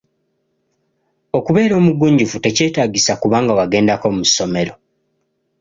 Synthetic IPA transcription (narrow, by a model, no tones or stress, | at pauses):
o̞kuβe̞ːɾo̞ːmuɡuːɲɟufute̞ce̞ːtaːɟisakuβaːŋɡawaɡe̞ːndako̞muso̞me̞ɾo̞